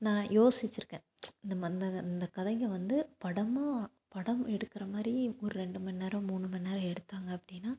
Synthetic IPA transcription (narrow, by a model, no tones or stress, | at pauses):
nãːjoːsɪt͡ʃːɯɾɯkːẽː | nɐmːɐɪnd̪ɐɪnd̪ɐkɐðɐŋɡɐʋɐnd̪ɯpɐɽɐmaː | pɐɽɐmɛɽɯkːɪɾɐmaːɾiɔɾɯɾɛɳɖɯmɐnːeːɾɐ̃muːnːɯmɐnːeːɾɐ̃ɛɽɯt̪ːaːŋɡɐːpːɐɽɪjnːaː